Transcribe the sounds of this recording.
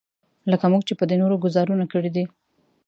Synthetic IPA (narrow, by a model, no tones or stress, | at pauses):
ləkamuɡ̚t͡ʃepəd̪enoɾoɡʊzɑɾunakəɽid̪i